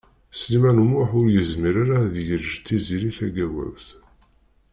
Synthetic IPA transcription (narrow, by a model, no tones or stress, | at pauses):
slimænumʊħʊɾjəzmiɾaɾaðjəɾʒt̪ːiziɾiθæɡæwæ̰wθ